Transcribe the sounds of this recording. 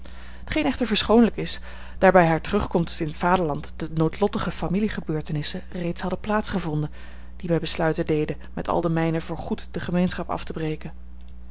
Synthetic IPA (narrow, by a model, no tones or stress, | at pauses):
ɦətχejnɛχtəɹvəɹsχownləkɪs | d̥aːɹbɛjɦaːɹtərɵχkɔmtɪnətfaːdəɹlɑntd̥ənowtlɔtəχəfamiliχəbøːɹtənɪsərejtsɦɑdəplaːtsχəvɔndən | d̥ibɛjbəslœɥtədejdə | mɛ̰tʰɑ̰lˠdəmɛjnəvʊːɹχutd̥əχəmejnsχɑpɑ̰ftəbrejkən